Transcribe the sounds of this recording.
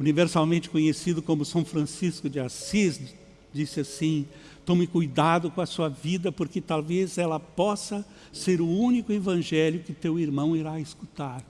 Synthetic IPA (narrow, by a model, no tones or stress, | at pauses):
univeɾsawmẽnt͡ʃɪ̥kõɲesid̪ʊkõmʊsɐ̃w̃fɾɐ̃siskʊd͡ʒɪasiz | d͡ʒisɪasĩ | t̪õmɪkujd̪ad̪ʊkõɐsuɐvid̪ɐpoɾkɪt̪awvezɛlɐpɔsɐ | seɾʊũnikʊevɐ̃ʒɛljʊkɪt̪ewiɾmɐ̃w̃iɾaeskut̪aɾ